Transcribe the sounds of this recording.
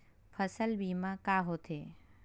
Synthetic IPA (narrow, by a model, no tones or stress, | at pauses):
pʰəsəlbiːmãkaːɦot̪ʰeː